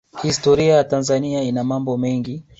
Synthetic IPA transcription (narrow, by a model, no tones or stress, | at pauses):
hihistɔɾiajatanzaniainamambɔmɛŋɡi